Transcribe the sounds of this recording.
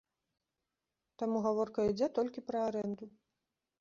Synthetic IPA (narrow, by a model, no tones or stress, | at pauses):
t̪amuɣavɔrkɐid͡zʲɛt̪ɔlʲkʲipɾɐaɾɛnd̪u